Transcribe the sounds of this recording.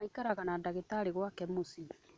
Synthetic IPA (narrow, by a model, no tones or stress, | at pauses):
aikaɾaɣanadaɣetaɾeɣwakɛmusiβi